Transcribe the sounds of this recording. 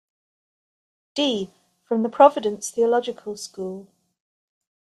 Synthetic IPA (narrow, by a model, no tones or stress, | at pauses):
d̥iː | fɹə̃mðəpʰɹ̥ɒvɪdə̃nsθiəlɒd͡ʒɪkʰəlˠskuːlˠ